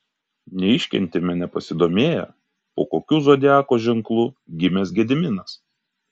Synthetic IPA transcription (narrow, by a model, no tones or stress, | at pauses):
nʲɛɪʃʲkʲɛ̰nʲt̪ʲɪmʲɛnʲɛpɐsʲɪd̪oːmʲeːjɛ̰ | oːkoːkʲuːzoːd̪ʲɪæːkoːʒʲɛŋklˠuːɡʲɪmʲɛsɡʲɛd̪ʲɪmʲɪnɐs